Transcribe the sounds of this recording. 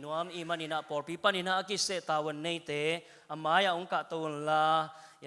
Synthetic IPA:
nuamimaninaʔpɔrpipaninaʔakiseʔt̪awənːəjt̪e | amajauŋkaʔt̪əwunla | j

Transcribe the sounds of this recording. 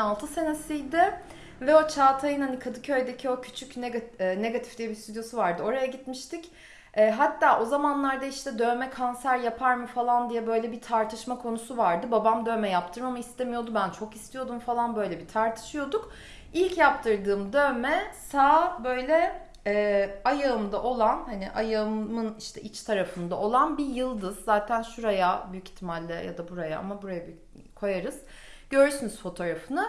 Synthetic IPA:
alˠt̪ʰɯse̞nesijd̪ɪ | vɛo̞t͡ʃʰaːt̪ʰajɯnhanikʰad̪ɯcʰø̞jd̪ecʰio̞cʰy̥t͡ʃʰycnɛɡne̞ɡat̪ʰi̥fd̪ijɛbist̪ʰyd̪jo̞suvaɾd̪ɯo̞ɾajaɟit̪miʃt̪ʰic | ʔɛːɦat̪ːaːʔo̞zamanlˠaɾd̪aiʃt̪ʰɛd̪ømɛkʰansæɾjapʰaɾmɯfalˠand̪ijɛbø̞jlʲɛbit̪ʰaɾt̪ʰɯʃmakʰo̞nusuvaɾd̪ɯbabamd̪ø̞ːmɛjap̚t̪ʰɯɾmamɯist̪ʰe̞mijo̞d̪ubænt͡ʃʰo̞kist̪ʰijo̞d̪umfalˠanbø̞jlʲɛbit̪ʰaɾt̪ʰɯ̥ʃɯjo̞d̪uk | ilʲcjap̚t̪ʰɯɾd̪ɯːmd̪ømɛsaːbø̞jlʲɛ | ɛːajaɯmd̪aʔo̞lˠanhaniʔajammɯniʃt̪ʰɛʔit͡ʃt̪ʰaɾafɯnd̪ao̞lˠanbijɯlˠd̪ɯzːaːt̪ʰænʃuɾajabyjyci̥t̪ʰːimalʲːɛ̰ja̰d̪abuɾaja̰a̰mabuɾajaby | kʰo̞jaɾɯz̥ | ɟøɾysynyz̥fo̞t̪ʰo̞ɾafɯnɯ

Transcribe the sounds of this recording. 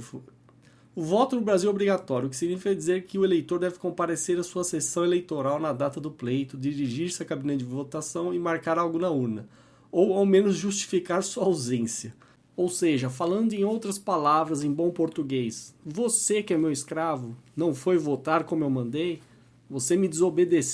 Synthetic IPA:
ʊvɔt̪ʊnʊbɾaziwobɾiɡat̪ɔɾjʊkɪsiɡinifikɐɛd͡ʒizeɾkɪʊelejt̪oɾd̪ɛvɪkõpaɾeseɾɐsuɐsesɐ̃w̃elejt̪oɾawnɐd̪at̪ɐd̪ʊplejt̪ʊd͡ʒ̪iɾiʒiɾsɪɐkabĩnɐd͡ʒɪvot̪asɐ̃w̃ɪmaɾkaɾawɡʊnɐuɾnɐ | owawmẽnʊzʒust͡ʃi̥fikaɾsuɐawzẽsiɐ | owseʒɐfalɐ̃nd̪ʊẽj̃owt̪ɾɐspalavɾɐzẽj̃bõw̃poɾt̪uɡesvosekɪɛmewiskɾavʊnɐ̃w̃fojvot̪aɾkõmʊewmɐ̃nd̪ej | vosemɪd̪ɪzobed̪es

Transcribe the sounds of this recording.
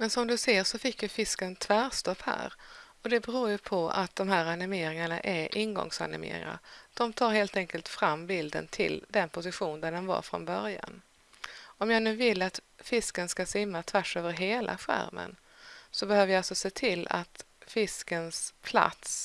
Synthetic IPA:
mɛnsɔmd̪ɵseːʂɔfɪkːjafɪskənt̪ʰv̥æːɾʂt̪ɔphæ̰ːɾɔd̪ɛbɛɾuːɾjɵpʰɔa̰t̪̚d̪ɔmɦæːɾanɪmeːɾɪŋaɳaʔɛɾʔɪnɡɔ̰ŋsa̰nɪmḛːɾɪ̰ŋa̰ɾd̪̥ɔmt̪ʰɑːɾheːlt̪ɛŋkəlt̪fɾamːbɪld̪ə̰nt̪ʰɪ̰ld̪ɛnpʰʊsɪɧuːnd̪ænɛnva̰ɾfɾɔ̰nbœɾja̰n | ɔmjaːnʉ̟ːvɪlːat̪fɪskənskasɪmːat̪ʰvæʂøːvəɾɦeːlʔa̰ɧæ̰ɾmʔə̰n | sɔbɛhøːvəɾjaalsɔseːt̪ʰɪlːa̰t̪ | fɪskənspʰla̰t̪s

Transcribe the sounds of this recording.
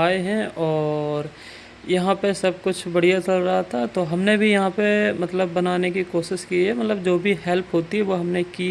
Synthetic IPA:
aːeɦɛ̃ʔɔːɾ | jɐɦãpesɐb̚kʊt͡ʃʰbɐɽijat̪ɐɾɾɐɦat̪ʰat̪oɦɐmnebʱijɐɦãpemɐt̪ləbːɐnaːnekikoːʃɪʃkiɦɛmɐt̪ləbd͡ʒoːbʱiɦɛlpɦoːt̪iɦɛʋoɦɐmneki

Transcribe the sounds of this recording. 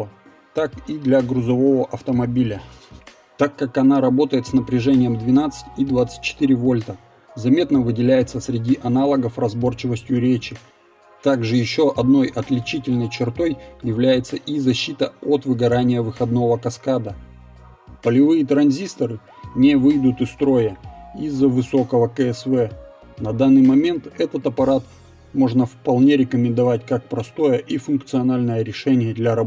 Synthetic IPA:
t̪akid̪lʲɐɡɾʊzɐvo̞vəʔɐft̪əmɐbʲilʲə | t̪akːakɐnaɾɐbo̞t̪əjɪt̪snəpɾʲɪʐɛnʲɪjəmd̪vʲɪnat̪sɨ̥tʲid̪vat̪sɨ̥tʲt͡ɕːɪ̥t̪iɾʲɪvo̞lʲt̪ə | zɐmʲe̞t̪nəvɨdʲɪlʲæjɪt̪səsɾʲɪdʲiʔɐnalˠəɡəfrɐzbo̞rt͡ɕɪvəsʲtʲjʊɾʲet͡ɕɪ | t̪aɡʐɨjɪɕːo̞ʔɐd̪no̞jʔɐt̪lʲɪt͡ɕitʲɪlʲnəjt͡ɕɪrt̪o̞jjɪvlʲæjɪt̪səʔizɐɕːit̪əot̪vɨɡɐɾanʲɪjəvɨxɐd̪no̞vəkɐskad̪ə | pəlʲɪvɨjət̪ɾɐnzʲist̪əɾɨ | nʲevɨjd̪ʊt̪ɨst̪ɾo̞jəizːəvɨso̞kəvəkəɛsvɛ | nɐd̪anːɨjmɐmʲe̞nt̪ɛt̪ət̪ɐpɐɾat̪ | mo̞ʐnəfpɐlˠnʲe̞ɾʲɪkəmʲɪnd̪ɐvatʲkak̚pɾɐst̪o̞jəʔifʊnkt̪sɨɐnalʲnəjəɾʲɪʂɛnʲɪjəd̪lʲɐɾɐb

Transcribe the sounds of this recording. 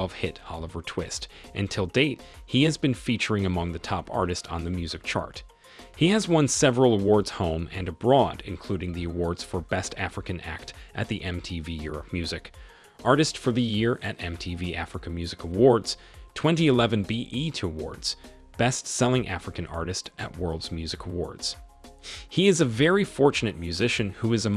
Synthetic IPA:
v̥hɪɾɑ̰lˠəvə˞tʰw̥ɪstʔɨ̃ntʰɪlˠdeɪt̚hiɨzbɨ̃nfit͡ʃə˞ɪ̃ŋɨmʌ̃ŋðɨtʰɑpɑ̰ɹɾɨstn̩ðɨmjʉzɨk̚t͡ʃʰɑ̰ɹt̚ | hiɨzwʌ̃nsɛvɹəl̩ˠəwɔɹdz̥hõʊ̃mɨ̃nɨbɹɔɾɨ̰̃nkʰl̥ʉɾɪ̃ŋðiɨwɔɹdz̥fə˞bɛstæfɹɨkɨ̃næ̰k̚tʔɨ̰t̪̚ðiʔɛ̃mtʰivijʊɹə̰p̚mjʉzɨk | ʔɑɹɾɨstfə˞ðɨjɪɹʔɨɾɛ̃mtʰiviʔæfɹɨkɨmjʉzɨkəwɔɹdz̥ | tʰw̥ɛ̃ntiɨlɛvɨ̃nbiʔiɾʰɨəwɔ̰ɹdz̥ | b̥ɛstsɛlˠɪ̃ŋʔæ̰fɹɨkɨ̃nɑ̰ɹɾɨstʔɨ̰ʔ̚wɜ˞lˠdzmjʉzɨkʰəwɔ̰ɹdz̥ | hiɨzɨvɛɹifɔɹt͡ʃɨnɨt̚mjʉzɪʃɨ̃nhuɨzɨ

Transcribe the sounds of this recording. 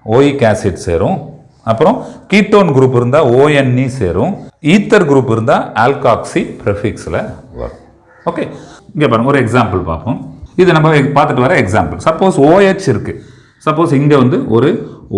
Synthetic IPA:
oːjikaːsɪʈsḛːɾʊ̃ | ɐpːɯɾɔ̃kiːʈːoːnɡɾuːp̬ːɪɾɯnd̪ãːoːjɛnːiseːɾʊ̃iːt̪ːɐɾɡɾuːpːɪɾɯnd̪ãːʔaːlkaːksipɪɾɛfɪksɪlɐʋɐ̰ɾʊ̃ | oːkeːɪŋɡeːpaːɾɯŋɡɐɔɾɯɛksaːmpɐlpa̰ːɾpɯ̃ɪðɯnɐmbɐpaːɾt̪ɯʈːɯʋaːɾɐɛksaːmpɐlsɐpːoːsoːjet͡ʃːɪɾɯkːɯ | sɐpːoːsɪŋɡeːʋɐnd̪ɯʔɔɾɯ

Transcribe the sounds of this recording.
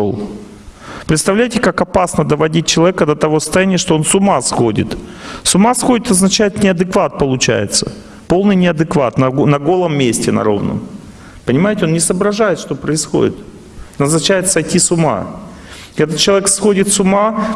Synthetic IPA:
o̰lˠ | pɾʲɪt̪st̪ɐvlʲæjtʲɪkakɐpasnəd̪əvɐdʲit̚ʲt͡ɕɪlˠɐvʲekəd̪ət̪ɐvo̞sə̥st̪ɐjænʲɪjəʂt̪o̞o̞nsʊmasxodʲɪ̰t̪sʊmasxo̞dʲɪt̪ɐznɐt͡ɕæjɪt̪nʲɪɐd̪ɨkvat̪̚pəlˠʊt͡ɕæ̰jɪ̰t̪sə | po̞lˠnɨjnʲɪɐd̪ɨkva̰t̪nɐnɐɡo̞lˠəmːʲesʲtʲɪnɐ̰ɾo̞̰vnə̰m | pənʲɪmajɪtʲɪonnʲɪsəbɾɐʐajɪt̪ʂt̪o̞pɾəɪsxo̞̰dʲɪ̰t̪ | nɐznɐt͡ɕæjɪt̪sɐjtʲisʊma̰ | ɛt̪ət͡ɕːɪlˠɐvʲeksxo̞dʲɪt̪sʊma

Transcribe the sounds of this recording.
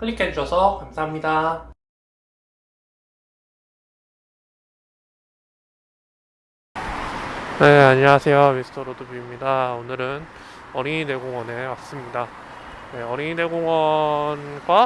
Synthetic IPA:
pʰɯɭːikʰed͡ʑuɕʰʌsʰʌkamsʰaɦamɲida | ne̞aɲʌŋasʰe̞jomisʰɯ̥tʰʌɾodobimɲidaonɯɾɯnʌɾine̞ɡoŋwʌne̞mas͈ɯmɲida | neʌɾine̞ɡoŋwʌnɡwa

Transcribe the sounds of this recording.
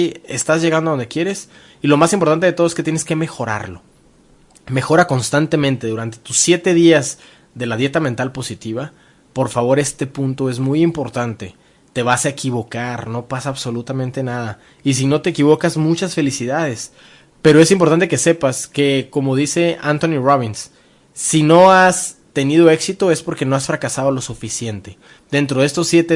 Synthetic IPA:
iest̪azʝe̞ɣand̪oðo̞nd̪e̞kje̞ɾe̞s | ilo̞masimpoɾt̪ant̪eet̪oesket̪je̞neske̞me̞xo̞ɾa̰ɾlo̞̰ | me̞xo̞ɾako̞nst̪ant̪e̞mẽnt̪e̞ðuɾant̪e̞t̪usːje̞t̪e̞ðiaz | ðe̞laðje̞t̪amẽnt̪alpo̞sit̪iβa | po̞ɾfaβo̞ɾe̞st̪e̞pũnt̪o̞e̞zmujimpo̞ɾt̪ant̪e̞ | t̪e̞βasaekiβo̞kaɾno̞pasaːβso̞lut̪amẽnt̪e̞naða | is̬ino̞t̪e̞ːkiβ̞o̞kazmut͡ʃasfe̞lisiðað̞e̞s | pe̞ɾo̞e̞simp̬oɾt̪ant̪ekese̞paske̞ko̞mo̞ðise̞ʔant̪o̞niroβ̞insː | ino̞ast̪e̞nið̞o̞e̞ksit̪o̞e̞spo̞ɾke̞no̞asfɾakasað̞o̞lo̞sufisje̞nt̪e | d̪e̞nt̪ɾoðest̪o̞sːje̞t̪e

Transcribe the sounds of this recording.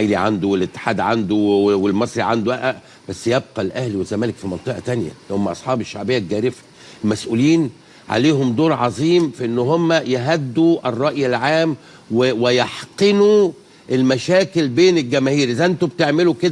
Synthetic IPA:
jliʕand̪owelɪt̪ːe̥ħaːd̪ʕand̪owelmɑsˤɾiʕand̪oʔæʔæʔ | bæsːjeb̚qɑlʔæhliwezːæmæːlekfimɑnt̪ˤɨʔɑ̰t̪ænjæ̰lhomːæʔɑ̰sˤħɑːbeʃːaʕbejːæɡæːɾɪfæ̥ | elmæsʔuːliːn | ʕa̰leːhomd̪oːɾˤʕɑzˤiːmfiʔenːhomːæjeɦæd̪ːuʔerˤːɑʔjelʕaːm | wewejɑħqenu | ʔelmæʃæːkelbeːnelɡæmæhiːɾʔezæʔɪnt̪obet̪eʕmeluked̪æ

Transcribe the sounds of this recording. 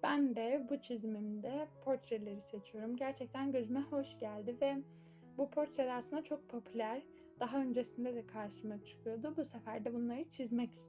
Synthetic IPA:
b̥ænd̪ɛbut͡ʃʰizmimd̪ɛpʰo̞ɾt̪ɾelʲe̞ɾise̞t͡ʃʰijo̞ɾumɟæɾt͡ʃʰɛc̚t̪ʰænɟøzmɛho̞ʃɟælʲd̪ivɛ | bupʰo̞ɾt̪ɾed̪aɾsɯnat͡ʃʰo̞k̚pʰo̞pʰylʲæɾ | d̪̥aɦaø̞nd͡ʒe̞sind̪ɛd̪ɛkʰaɾʃɯmat͡ʃʰɯ̥kʰɯjo̞d̪ubusefæɾd̪ɛbunlˠaɾɯt͡ʃʰizmɛci̥st̪

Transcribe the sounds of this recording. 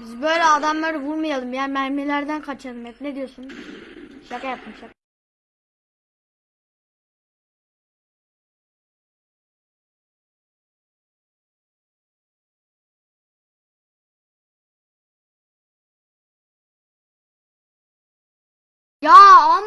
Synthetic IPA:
bizbø̞jlʲɛad̪amlˠaɾɯvuɾmajalˠɯmjaːnmæɾmelʲæɾd̪ænkʰat͡ʃʰalˠɯmɛt̪ned̪ijo̞sun | ʃakajapɯmʃak | jaːm

